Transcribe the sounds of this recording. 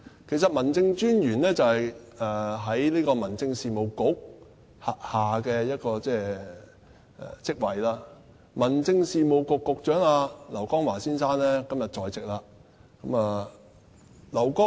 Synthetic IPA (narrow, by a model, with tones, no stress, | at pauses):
kʰe˨˩js̬ɐ˨t̚mɐ˨˩nt͡sɪ˧ŋt͡ʃyː˥njyː˨˩nlɛː˥t͡sɐ˨whɐ˨jɛː˨˩ɦɐ˨˥jliː˥kɔː˧mɐ˨˩nt͡sɪ˧ŋsiː˨˧mo˨˩wkʊ˨˥k̚ | ha˨k̚haː˨kɛː˧jɐ˥t̚kɔː˧t͡sɛː˥ | ɛ̰˨˩t͡sɪ˥k̚wɐ˨˩jlaː˥ | mɐ˨˩nt͡sɪ˧ŋsiː˨˧mo˨˧wkʊ˨˧kːʊ˨k̚t͡ʃœː˨˥ŋaː˧lɐ˨˩wkɔː˥ŋwaː˨˩siː˥nsaː˥nlɛː˥kɐ˥mjɐ˨t̚t͡ʃɔː˨˧jt͡sɪ˨k̚laː˧kɐ˨˥mɐː˧ | lɐ˨˩wkɔː˥